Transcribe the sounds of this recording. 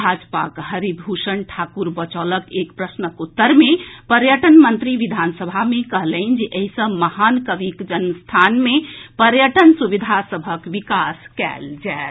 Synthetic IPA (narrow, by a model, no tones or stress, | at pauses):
bʱad͡ʒpakɦəɾibʱuʃənʈʰakuɾbət͡ʃələkekpɾəsnəkut̪ːəɾmepəɾjəʈənmənt̪ɾiʋid̪ʱansəbʱamekəɦləind͡ʒeʔəɦisə̃məhankəʋikd͡ʒənst̪ʰanmepəɾjəʈənsubid̪ʱasəbʱəkʋikaskɛ̰ld͡ʒaet̪